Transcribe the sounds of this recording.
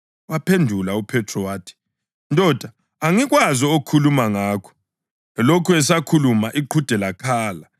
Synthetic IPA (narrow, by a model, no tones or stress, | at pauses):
wapʰendʱulaupʰɛtʰrɔwaːtʰi̥ | ntʼɔd̥ʱaː | ŋiɣwazɔokʰulumaŋaːkʰɔ̥ | ɛlokʰuɛsakʰulumaʔiǃʰud̥ʱɛlakʰaːla